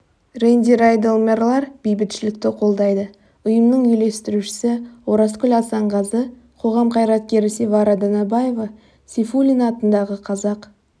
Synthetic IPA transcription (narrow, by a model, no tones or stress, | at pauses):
rend̪ʲiɾajd̪elˠmerlˠɑɾb̥ejbɪt̪ʃɪlɪk̚t̪ɪqʰo̞lˠd̪ɑjd̪ə | ʊjəmnəɴʏjle̞st̪ɪɾuʃɪ̥sɪwoɾɑskʲʏlʲɑsɑɴʁɑzə | qʰo̞ʁɑmqʰɑjɾɑt̪̚kʲe̞ɾɪsevɑɾɑd̪ənɑbɑje̞vɑ | sʲefulʲinɑt̪ənd̪ɑʁəqʰɑzɑq